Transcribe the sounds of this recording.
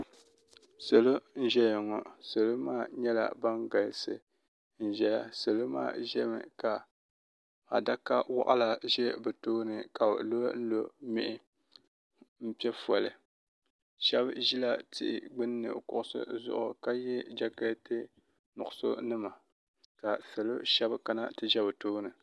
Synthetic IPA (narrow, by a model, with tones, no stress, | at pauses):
sa˨lo˦n̩˦ʒɛ˦jɛ˨ŋɔ˨sa˨lo˦maː˦ɲɛ˦la̰˨ba˦ŋɡa˨lsɨ̰˨ | n̩˨ʒɛ˨ja˨sɨ˨lo˦ma̰ː˦˨ʒɛ˦mɨ̰˨ka˨ | a̰˨da˦ka˦wa̰˦˨ʔa̰˦la˨ʒɛ˦bɛ˨toː˦nɨ˨ka˨lo˦n̩˦lo˦mɪ̰˦ʔɪ˨ | m̩˦pɛ˦fɔ˨lɨ˨ | ʃɛ˦bʒi˦la˦tɪ̰˦ʔɪ̰˨ɡ͡bɨ˦nː˦ɨ̰˨kʊ˨ʔʊ˦sɨ̰˦zʊ̰˦ʔʊ˨ka˦jɛ˦d͡ʒa˦ka˦tɨ˦ | nʊ˨ʔʊ˨so̰˦nɨ˦ma˨ | ka˨sɨ˨lo˦ʃɛ˦bka˦na˦tɨ˦ʒɛ˦bɨ˨toː˦nɨ˨